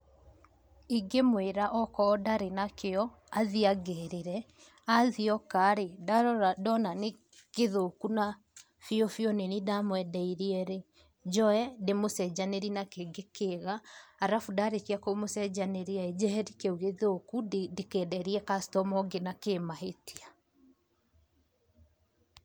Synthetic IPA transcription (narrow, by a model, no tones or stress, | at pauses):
iɡemweɾaʔɔkɔːdaɾenakeɔ | aðiaɡeɾeɾɛ | aðiɔkaɾedadɔnane | keðokuna | fiɔfjɔnenidamwɛdɛiɾiɛɾe | d͡ʒɔɛdemosɛd͡ʒaneɾinakeɡekeɣaːɾafudaɾekiakomosɛd͡ʑaneɾeaed͡ʒɛhɛɾikeuɣeðokudekɛdɛɾiɛkastɔmɔɡenakemaɦetia